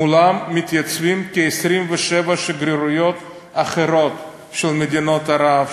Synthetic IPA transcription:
ulamːit̪jat͡svimkiesɾimveʃevaʃeɡɾiɾujo̞t̪ | aχeɾo̞t̪ | ʃelmed̪inot̪aɾav

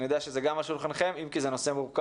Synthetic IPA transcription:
nijod̪eaʃezeɡamaʃulχanχe̞mimkizeno̞se̞muʁka

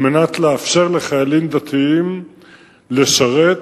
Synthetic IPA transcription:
menat̪leafʃe̞ʁle̞χajalimd̪at̪ʰiim | le̞ʃaʁe̞t̪

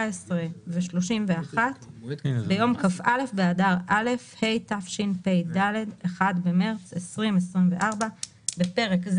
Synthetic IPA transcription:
esʁeveʃlo̞ʃimveaχat̪bejo̞mkafʔale̞fbeadaʁʔale̞fhe̞jtafʃinpejdale̞deχadbe̞me̞ʁt͡sesʁimesʁimve̞ʔaʁba | bepe̞ʁe̞kz

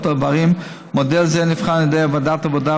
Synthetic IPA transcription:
tavaʁim | modɛlzɛnifχanjɔdejabadatavoda

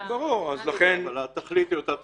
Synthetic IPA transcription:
baʁuʁazlaχenalat̪aχlit̪jot̪a

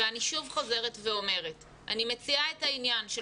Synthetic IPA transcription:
eaniʃuvχoze̞ʁetve̞o̞me̞ʁet | ʔa̰nimet͡siaethainjanʃe

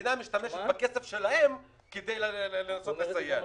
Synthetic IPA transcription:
namiʃt̪ameʃet̪bakesefʃelahem | ked̪ajlelenasot̪lesajːa

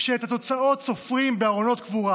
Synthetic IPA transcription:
ʃeet̪at̪o̞t͡sao̞t̪so̞fʁimbeaʁono̞t̪̚kvuʁa

